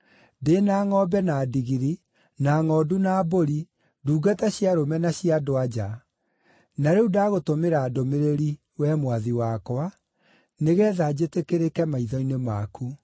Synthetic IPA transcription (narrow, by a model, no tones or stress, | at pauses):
denaːŋɔbɛnadiɣiɾi | naŋɔːdunaːboɾi | duːɡataɕjaɾomɛnaɕiadoad͡ʑa | naɾeudaɣotomeɾadomeɾeɾi | wɛmwaðiwakwa | neɣɛːðad͡ʑetekeɾekɛmaiðɔinemaku